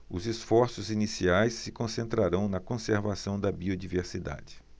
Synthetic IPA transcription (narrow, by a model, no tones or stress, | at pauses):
ʊzesfɔɾsʊzinisiajsːɪkõsẽnt̪ɾaɾɐ̃w̃nɐkõseɾvasɐ̃w̃d̪ɐbiod͡ʒiveɾsid̪a̰d͡ʒɪ